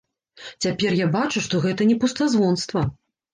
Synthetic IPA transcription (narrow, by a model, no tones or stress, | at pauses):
t͡sʲapʲɛrjabat͡ʂuʂt̪ɔɣɛt̪ɐnʲɛpust̪azvɔnst̪vɐ